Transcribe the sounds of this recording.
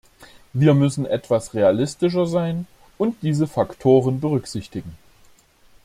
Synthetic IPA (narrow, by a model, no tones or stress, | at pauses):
viːɐmʏsn̩ʔɛtv̥asʁealɪstɪʃ̬ɐzaɪn | ʔʊnt̚d̥iːzəfaktʰoːʁənbəʁʏkz̥ɪçtɪɡŋ̩